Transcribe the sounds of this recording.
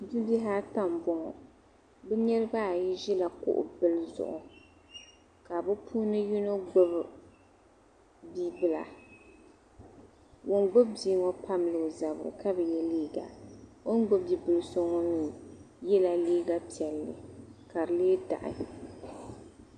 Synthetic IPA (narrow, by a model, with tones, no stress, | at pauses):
di˦bi˦ɦaː˦ta˦m˨bɔ˨ŋɔ̰˨ | bɛ˦ɲɛ˦ɾɨ˦ba˦˨ji˦ʒɛ˦la˨kʊ̰˦ʔʊ̰˨bɨ˦lzʊ̰˨ʔʊ̰˨ | ka˨bɛ˦pʰuː˦nɨ˦ju˦no˦ɡ͡bɔ˦b | bi˦bɨ˦˨la̰˨ | wo˨nɡ͡bʊ˦bbiː˦ŋɔ˦pa˦mlɨ˨za˨bɾɨ̰˨ka˦bɛ˨jɛ˦liː˦ɡa̰˨wo˦nɡ͡bʊ˦b̚bi˦bɨ˨lɨ˨sɔ˦ŋɔ˦nɨ˦ | jɛ˦la˨liː˦ɡa˦pi˨ɛ˨lːɨ̰˨ka˨ɾɨ˨leː˦da̰˨ʔɪ̰˨